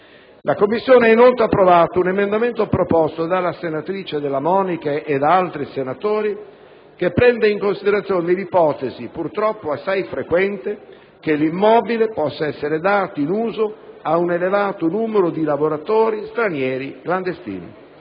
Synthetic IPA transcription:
lʔakomːisːjoːneainolt̪eapːɾovaːt̪ounemend̪ament̪opɾopɔst̪od̪alːasenat̪ɾiːt͡ʃed̪elːamɔːnikaʔed̪aalt̪ɾisenat̪oːɾi | kepːɾɛnd̪eiŋkonsid̪eɾat̪sjoːnelipɔːt̪ezipurt̪ɾɔpːoasːajfɾekwɛnt̪e | kelimːɔːbilepɔsːaɛsːeɾed̪aːt̪oinuːzoaunelevaːt̪onuːmeɾod̪ilavoɾat̪oːɾist̪ɾanjɛːɾikland̪est̪ḭːnḭ

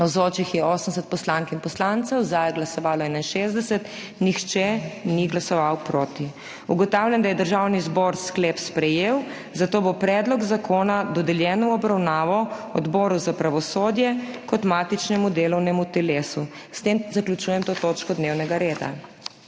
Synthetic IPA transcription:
nɐwzoːt͡ʃixjɛɔːsəmsɛt̪̚pɔslaŋkinpɔslant̪sɛwzajɛɡlasɔʋaːlɔɛnainʃeːzd̪ɛsɛt̪ | nixt͡ʃɛniɡlasɔʋawpɾoːt̪i | uɡɔt̪awlʲjɛnd̪ajɛd̪əɾʒawnizbɔɾsklepspɾɛjew | zat̪oːbopɾɛd̪lɔɡzakʰoːnad̪ɔd̪ɛljɛnɔwɔbɾawnaːʋɔɔd̪bɔːɾuzapɾaʋɔsoːd̪jɛkɔt̪mat̪it͡ʃnɛmud̪eːlɔwnɛmut̪ɛleːsu | st̪emzaklʲut͡ʃuːjɛmt̪oːt̪oːt͡ʃkɔd̪newnɛɡaɾeːd̪a̰

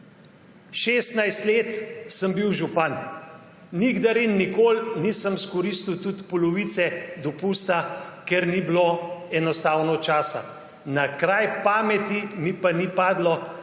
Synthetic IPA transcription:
ʃeːst̪najst̪leːt̪səmbiwʒupan | niɡd̪aɾinːikoːlniːsəmskɔɾist̪iwt̪ut̪pɔlɔʋit̪sɛd̪ɔpuːst̪akɛɾnibloɛnɔst̪aːwnɔt͡ʃaːsa̰ | nakɾajpaːmɛt̪imipanipaːd̪lɔ

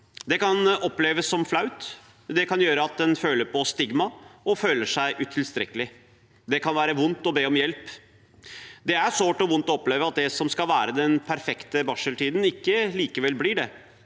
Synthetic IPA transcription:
d̪ɛkɑnɔpleːʋəsːɔmflɑʉt̪ | d̪ɛkʰɑnjøːɾəɑt̪̚d̪ɛnføːləɾpʰɔst̪ɪɡmɑɔføːləʂæɪʔʉt̪ʰɪlst̪ɾɛ̰kːəlɪ | d̪ɛkʰɑnʋæːɾəʋʊnt̪ɔbeːɔmjɛlp | d̪ɛæɾʂoːʈɔʋʊnt̪ɔɔpleːʋəɑt̪̚d̪ɛsɔmskɑʋæːɾəd̪ɛnpʰæɾfɛkt̪əbɑʂəlʈiːd̪n̩ɪkːəliːkəʋɛlːblɪɖɛ

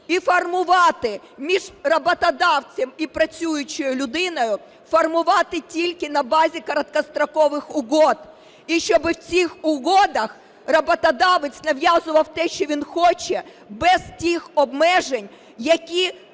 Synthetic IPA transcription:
ifɐrmʊʋɑt̪ɪ | mʲiʒrɐbɐt̪ɐd̪ɑwt͡sʲɛmipɾɐt͡sʲujʊt͡ʃɔjʊlʲʊd̪ɪnɔjʊ | fɐrmʊʋɑt̪ɪtʲilʲkɪnɐbɑzʲikɐɾɐt̪̚kɐst̪ɾɐkɔʋɪxʊɦɔd̪ | iʃt͡ʃɔbɪwt͡sʲixʊɦɔd̪ɐx | rɐbɔt̪ɐd̪ɑʋɪt͡sʲnɐʋjɑzʊʋɐwt̪ɛʃt͡ʃɔʋʲinxɔt͡ʃɛ | bɛztʲixɔbmɛʒenʲ | jɐkʲi

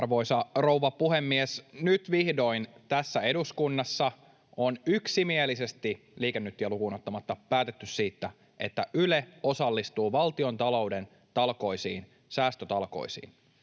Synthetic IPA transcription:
rʋo̞isɑrowʋɑpuhemːiesnyt̪ʋihdo̞int̪æsːæe̞duskunːɑsːɑ | onyksimielise̞st̪i | liːkenːyt̪ːjɑlukuːnot̪ːɑmɑt̪ːɑpæːt̪et̪ːyssiːt̪ːæ | ʔe̞̰t̪ːæʔyleo̞sɑlːist̪uːʋɑlt̪io̞nt̪ɑlo̞wden | t̪ɑlko̞isiːn | sæːst̪øt̪ɑlko̞̰isḭːn

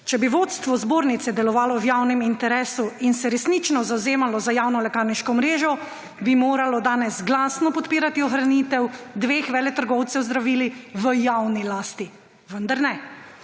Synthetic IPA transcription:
t͡ʃɛbiʋot̪st̪ʋɔzboːɾnit̪sɛd̪ɛlɔʋaːlɔwjaːwnɛmint̪ɛɾɛːsuinsɛɾɛsnit͡ʃnɔzawzeːmalɔzajawnɔlɛkaːɾniʃkɔmɾeːʒɔ | bimoːɾalɔd̪aːnɛsɡlaːsnɔpɔt̪piːɾat̪iɔxɾanit̪ɛwd̪ʋeːxʋɛːlɛt̪əɾɡɔwt̪sɛwzd̪ɾaʋiːliʋəjawnilaːst̪i | ʋənd̪aɾnɛ

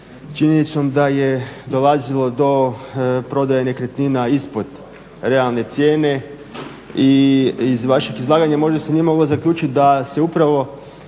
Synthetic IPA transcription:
t͡ʃiɲenit̪so̞md̪ajed̪o̞lazilˠo̞d̪o̞pɾo̞d̪ajenekɾet̪ninaispo̞d̪̥ | ɾe̞alˠne̞t̪sje̞ːne̞ | iizʋaʃeɡizlˠaːɡaɲamo̞ʒeseniemo̞ɡlˠo̞zakʎʲuːt͡ʃit̪̚d̪ase̞upɾaʋo̞

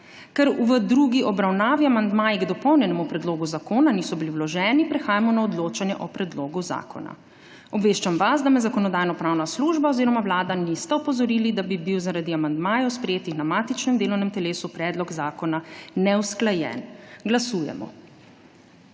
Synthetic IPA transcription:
kɛɾʋəd̪ɾuɡiʔɔbɾawnaːʋiamand̪maːjiɡd̪ɔpɔwnjɛnɛmupɾɛd̪loːɡuzakoːnanisɔbiliwlɔʒɛːnipɾɛxaːjamɔnaɔd̪loːt͡ʃanjɛʔɔpɾɛd̪loːɡuza̰ːkʰɔ̰na̰ | ɔbʋeːʃt͡ʃamʋasd̪amɛzakɔnɔd̪aːjnɔpɾaːwnasluːʒbaoziɾɔmawlaːd̪anist̪ɛɔpɔzɔɾilid̪abibiwzaɾad̪iamand̪maːjɔwspɾɛjeːt̪ixnamaːt̪it͡ʃnɛmd̪eːlɔwnɛmt̪ɛleːsupɾɛd̪lɔɡzaːkɔnanɛwsklajɛ̰nɡlasuːjɛ̰mɔ̰

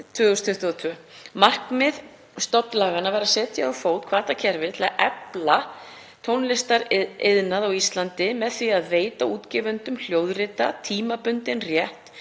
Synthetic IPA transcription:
t̪ʰvʏːɣʏst̪ʰʏht̪at̪ʰvœːmar̥kmɪð | st̪ɔpnlaːɣanavajɾaðsɛːt̪jafoːwt̪kʰvaːt̪acʰɛɾvɪɾt̪ʰɪlaʔɛpla | t̪ʰoːwnlɪst̪aɾɪðnaðawist̪lant̪ɪmɛðθviaðveːjt̪auːt̪cɛːvʏnt̪ʏml̥joːwðrɪt̪at̪ʰiːmapʏnt̪ɪnrjɛht̪

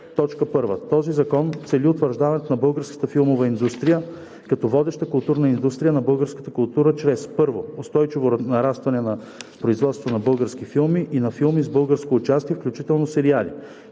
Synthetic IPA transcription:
t̪ɔt͡ʃkəpɤɾvə̰t̪ɔzizɐkɔnt̪sɛliot̪vəɾʒd̪avɐnɛt̪nɐbɤlˠɡəɾskə̥t̪əfilˠmovɐind̪ust̪ɾijə | kɐt̪ɔvɔd̪ɛʃt̪əkʊlˠt̪uɾnɐind̪ust̪ɾijənɐbɤlˠɡəɾskə̥t̪əkʊlˠt̪uɾət͡ʃɾɛspɤɾvoʊst̪ɔjt͡ʃivoɾnɐɾast̪vɐnɛnɐ | pɾoizvɔt̪st̪vonɐbɤlˠɡəɾsk̟ifilˠmiʔinɐfilˠmizbɤlˠɡəɾskoːt͡ʃast̪iɛfklʲut͡ʃit̪ɛlˠnosɛɾialḭ

